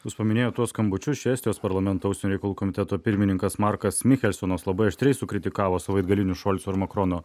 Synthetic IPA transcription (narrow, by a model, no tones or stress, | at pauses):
ʊʃpɐmʲɪnʲeːjoːt̪uɔskɐmbʊt͡ʃʲʊsʃʲɛːst̪ʲɪjoːspɐɾlˠɐmʲɛnt̪oːɐʊsʲɛnʲʊɾʲɛɪkɐlˠuːkɔmʲɪt̪ʲɛt̪oːpʲɪɾʲmʲɪnʲɪŋkɐsmɑɾkɐsmʲɪxʲɛlʲsʲonoːslˠɐbɐɪɐʃt̪ʲɾʲɛɪsʊkɾʲɪt̪ʲɪkɑːʋoːsɐʋɐɪd̪ɡɐlʲɪnʲʊʃɔlʲt̪soɪɾmɐkɾɔnoː